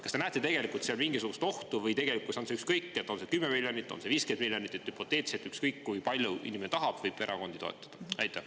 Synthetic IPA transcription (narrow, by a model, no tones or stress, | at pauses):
kɑst̪e̞næːt̪ːˑet̪e̞ɡ̥e̞likːˑult̪seɑlmiŋɡisuɡ̥ust̪o̞ht̪uvɤjt̪e̞ɡ̥e̞likːˑulsonseykskɤjkːˑet̪ːˑo̞nse̞kymːemilʲjonit̪ːˑonse̞viːske̞nd̪̚miljonit̪ːˑet̪ːhypo̞t̪ːˑe̞ːt̪set̪ykskɤjkːujpɑlʲjuḭniment̪ɑɦɑb̥vɤjb̥e̞ɾʔɑ̰ko̞nd̪̥it̪o̞ḛt̪ːˑɑ̥d̪̥ɑɑjt̪ˑːe